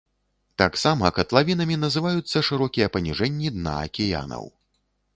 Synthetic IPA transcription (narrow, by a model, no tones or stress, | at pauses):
t̪aksamɐkɐt̪lˠavʲinɐmʲinɐzɨvajut̪sːɐʂɨɾɔkʲijɐpɐnʲiʐɛnʲːid̪na̰ɐ̰kʲɛja̰nɐ̰w